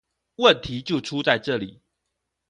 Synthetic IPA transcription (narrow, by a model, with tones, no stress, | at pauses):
wə˥˨nt̪ʰi˨˦t͡ɕjo˥˨ʊʈ͡ʂʰu˦t͡sa˥˨ɪʈ͡ʂɤ˥˨li˨˩˦